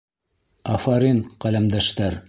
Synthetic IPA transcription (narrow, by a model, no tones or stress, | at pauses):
ɑfɑɾinqælæmd̪æʃt̪æɾ